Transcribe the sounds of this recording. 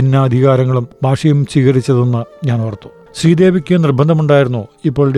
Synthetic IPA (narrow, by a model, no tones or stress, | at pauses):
inːɐɐd̪ʱiɣaːɾɐŋːɐɭumbʱaːʂɐjumt͡ɕiːɣɐɾit͡ɕːɐðenːɨɲaːnʋɐrt̪ːu̥ | ɕriːd̪e̞ːʋikʲːunirbɐnd̪ʱɐmuɳɖaːjiɾunːuipːo̞ːɭɽ